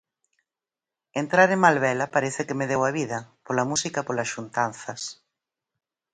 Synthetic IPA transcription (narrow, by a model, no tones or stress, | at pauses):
ent̪ɾaɾeŋmalβɛlɐpaɾɛθɪkɪmeðewɐβiðɐpolɐmusikɐpolɐsʃunt̪anθɐs